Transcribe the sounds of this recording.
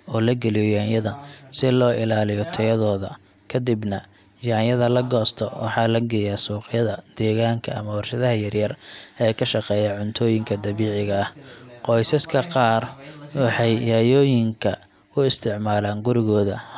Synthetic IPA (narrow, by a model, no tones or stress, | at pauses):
ɔːlɐɡɐlɪjɔjaːnjɐðɐsɪlɔːʔɪlaːlɪjɔt̪ʰɛjɐðɔːðɐ | kʰɐd̪ɪbnɐ | jaːnjɐðɐlɐɡɔːst̪ʰɔwʔɑ̰ħɑːlɐɡɛjaːsuːqjɐðɐd̪̥ɛːɣaːŋkʰɐɐ̰mɐwɑrʃɐðɐɦɐjɐrjɐrɛjkʰɐʃɑqɛːjaʕʊnt̪ʰɔːjɪŋkʰɐd̪ɐβiːʕɪɣɐɐhqɔjsɐskʰɐqɑːrwɑħɑjjajɔːjɪŋkʰɐ | ʊɪst̪ʰɪʕmaːlaːŋɡʊɾɪɣɔːðɐ̰